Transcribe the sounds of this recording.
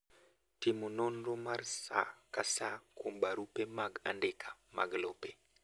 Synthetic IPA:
timunonɾomaɾsa̰kasakumɓaɾupemaɡa̰ndekʰḁma̰ɡlope

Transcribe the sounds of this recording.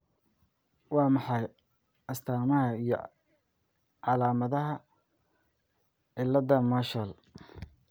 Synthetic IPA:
wɑːmɑħɑj | ɐst̪ʰaːmɐɦɐijɞ̰ | ʕɑlaːmɐðɐɦɐ | ʕɪlːɐðɐmaːʃɐl

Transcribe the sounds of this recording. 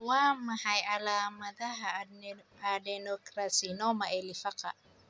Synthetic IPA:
wamahajalamad̪aɦa | adɛnokɾasinɔmaelifakaʔ

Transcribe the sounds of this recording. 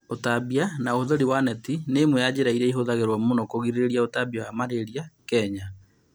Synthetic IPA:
otabianaohoðoɾiwanɛtinemwejad͡ʑeɾaiɾɛiɦoðaɣeɾwɔmonɔkoɣiɾeɾeɾiaotabiawamaɾeɾiakɛɲa

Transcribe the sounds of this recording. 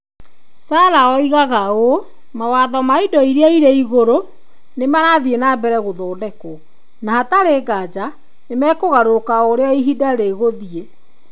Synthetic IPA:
saːɾaɔiɣaɣao | mawaðɔmaidɔiɾeaiɾeiɣoɾo | nemaɾaðienaːbɛɾɛɣoðɔːdɛko | nahataɾeːɡad͡ʒa | nemɛkoɣaɾokaoɾeɔiɦidaɾeɣoðie

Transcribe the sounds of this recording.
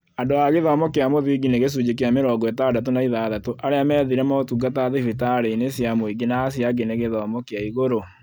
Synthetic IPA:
andoaɣeðɔːmɔkeamoðiɡineɣes̬ud͡ʒekeameɾɔɡɔetadatonaiðaðatoʔaɾeamɛðiɾɛmaotuɡataðifitaɾeinesjamoiɡenaːs̬jaɡeneɣeðɔːmɔkeaiɣoɾo

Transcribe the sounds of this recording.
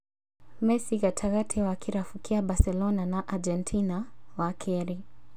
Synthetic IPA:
mɛsiɣatʰaɣatʰɛwakʰiɾafukiabasɛlɔnanaʔad͡ʒɛntʰinawakʰɛɾi

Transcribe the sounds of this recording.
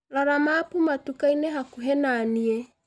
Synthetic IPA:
laɾamapumatukaineɦakuɦɛnaniɛ

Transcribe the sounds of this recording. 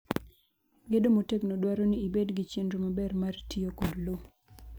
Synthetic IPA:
ɡedomoteknodwaɾoniːbedɡit͡ʃendɾomabɛrmartijokodlo

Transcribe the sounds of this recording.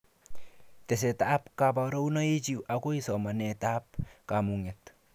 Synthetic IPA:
t̪es̬etaːpkapaɾownaet͡ʃiwakoisɔmanɛtaːp̚kamuŋɛt̪

